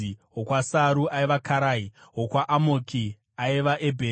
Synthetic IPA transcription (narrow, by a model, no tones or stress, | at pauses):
iɦokwasaɾuaiʋakʰaɾaiɦokwaʔamoki | aiʋaʔebʱeː